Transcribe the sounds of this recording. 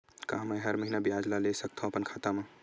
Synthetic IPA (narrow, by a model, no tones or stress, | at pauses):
kaɦmɐjɦəɾməɦinabiaːd͡ʒlalesək̚t̪ʰõpənkʰaːt̪ama